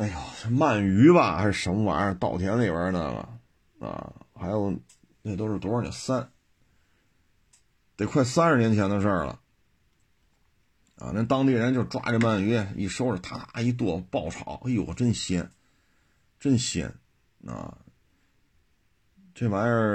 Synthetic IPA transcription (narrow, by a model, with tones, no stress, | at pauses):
a˥˩jɑ˨˩˧ma˥˩ny˧˥bɐ˨xa̰˧˥ɪʂɻ̩˥˧˩ʂə˧˥nmə˧wa̰˧˥nə˧t̪ɑ˥˩ʊt̪ʰjɛ˧˥nli˨˩bə˞˧˥nə̰˨lɐ̰˨˩ | ɐ̰˧˩xa˧˥ɪjo˨˩ʊ | ne˥˧˩t̪o˥ʊʂɻ̩˥˩t̪wɔ˧˥ə˞˥˩nḭ˨˩sa˥n | t̪e˨˩ɪkʰwa˥˩ɪsa˥nɻ̩˥˩njɛ˧˥nt͡ɕʰjɛ˧˥nd̪ə˧ʂə˞˥˩lə̰˩ | a̰˧na˥˩t̪ɑ˥ŋt̪i˥˩ɻə˧˥nt͡ɕjo˥˧ʊʈ͡ʂwa̰˥ʈ͡ʂə˥˧ma˥˩ny˧˥a˧˩ḭ˥˩ʂo˥ʊʈ͡ʂə˨˩t̪ʰa˥t̪a˧˥i˧˥t̪̬wɔ˥˩pɑ˥˩ʊʈ͡ʂʰɑ̰˨˩˦ʊʔe˥˩jwɔ̰˨˩ʈ͡ʂə˥˩ŋɕjɛ̰˧˥n | ʈ͡ʂə˥˩ŋɕjɛ̰˧˥n | ɐ̰˧˩ | ʈ͡ʂe˥˩wa˧˥nə˧˥